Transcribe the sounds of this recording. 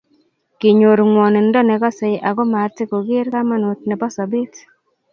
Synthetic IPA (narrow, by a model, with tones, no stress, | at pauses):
ki˨ɲo˨ɾŋwɔ˨nɛ˨n˦dɔ˦nɛ˨ɡɔ˦se˨jʔa˨ɡɔ˦ma˨ɾtɪ˦ko˨ɡɪ˦ɾka˦ma˦no˨tnɛ˨bɔ˦sɔ˨bɪ˦t